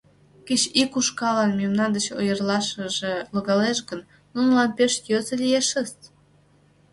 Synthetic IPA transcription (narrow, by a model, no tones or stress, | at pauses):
ket͡ɕikuʃkɑlɑnmemnɑnd̪ət͡ɕojərlɑʃəʒeloɣɑleʃ̬ɡə̆n | nunəlɑnpeʃjøzə̆lʲieʃə̆st̪